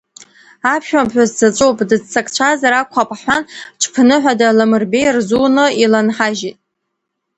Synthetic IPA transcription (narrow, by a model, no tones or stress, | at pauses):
apʰʃᶣambħʷᶣazzat͡ʃʷʼowpʼdɨd͡zt͡sʰakʼt͡ɕʷʰazaɾakʷʰapʼħʷanʈ͡ʂʷʰpʰnɨħʷᶣadalamɨrbejrzunɨilanħaʒitʼ